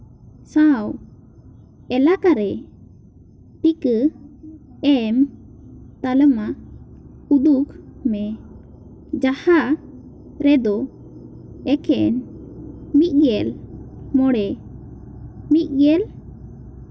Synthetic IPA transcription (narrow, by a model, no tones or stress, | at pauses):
sãw | ɛlakaɾɛ | t̪ikə | ɛm | t̪aləma | ud̪ukmɛ | d͡ʒaha | ɾɛd̪ɔ | ɛkʰɛn | mit̪̚ˀɡɛlmɔɽɛ | mit̪̚ɡɛl